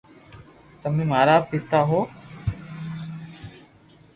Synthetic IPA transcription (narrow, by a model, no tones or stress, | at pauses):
t̪əmẽːmaːɾaːpɪt̪aːɦoː